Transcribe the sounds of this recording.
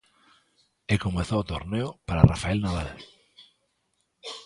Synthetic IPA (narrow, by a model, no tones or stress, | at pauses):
ekomeθoot̪oɾneʊpaɾa̰rafaelnaβal